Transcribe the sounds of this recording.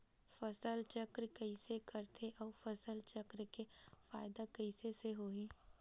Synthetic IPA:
fɐsəlt͡ʃɐkɾkɐɪsekɐɾt̪ʰeʔɔːfɐsəlt͡ʃɐkɾkefaːɪd̪akɐɪseseɦoːĩː

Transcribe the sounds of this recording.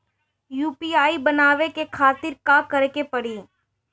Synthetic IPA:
juːpiːaːibɐnaːʋekekʰaːt̪ɪɾkaːkɐɾekepɐɽiː

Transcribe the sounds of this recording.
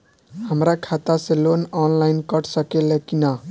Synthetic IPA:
həmɾakʰat̪aselonɔnlajnkəʈsəkelekina

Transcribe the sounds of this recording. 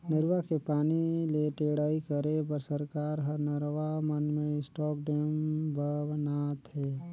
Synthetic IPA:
nɪɾʋakepaːnileʈeːɽaːikəɾepəɾsəɾkaːɾɦənəɾʋamənmẽɪsʈɔːk̚ɖeːmbʱəʋnaːt̪ɦɛː

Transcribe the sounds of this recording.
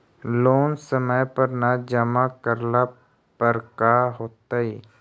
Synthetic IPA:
loːnsəməjpəɾnad͡ʒəmakəɾla | pəɾkaɦoːt̪aiː

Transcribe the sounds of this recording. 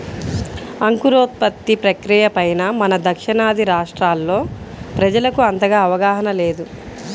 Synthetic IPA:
ɐŋkuɾoːt̪̚pɐt̪ːipɾɐkɾijɐpɐjnɐmɐnɐd̪ʱɐkʂɐnaːd̪iɾaːʂʈɾaːlːo̞ː | pɾɐd͡ʒɐlɐkuɐnt̪ɐɡaːɐʋɐɡaːɦɐnɐle̞ːd̪u

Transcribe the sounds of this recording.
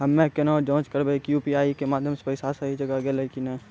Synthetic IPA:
ɦɐmːekenaɔd͡ʒɔ̃ːt͡ʃkɐɾbekjuːpiaːikemaːd̪ʱjəmse̥pəɪsaːsaɦid͡ʒɐɡaɡelɐlkinẽ

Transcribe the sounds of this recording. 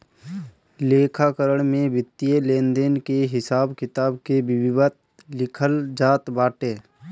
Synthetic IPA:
leːkʰakəɾəɽmẽbɪt̪ːijelẽːnd̪eːnkeɦɪsaːbkɪt̪aːbkebɪbɪʋət̪̚ | lɪkʰəld͡ʒaːt̪baːʈeː

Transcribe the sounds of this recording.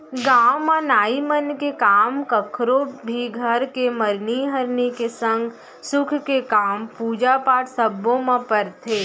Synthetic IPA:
ɡaːmɔnaːimənkekaːmkɐkʰɾobʱiɡʱəɾkeməɾniɦəɾnikesə̃ŋɡ | sʊkʰkekaːmpuːd͡ʒapaːʈsəbːõmãpəɾt̪ʰeː

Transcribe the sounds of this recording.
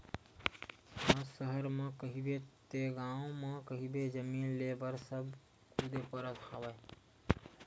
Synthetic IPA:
asəɦəɾmekəɦibet̪eɡãʊ̃mẽkəɦibed͡ʒəmiːnlebəɾsəb | kud̪epəɾət̪habə

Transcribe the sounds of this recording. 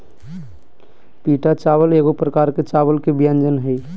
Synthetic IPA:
piːʈat͡ʃaːwəleːɣopɾəkaːɾket͡ʃaːwəlkebjãnd͡ʒənɦɛi

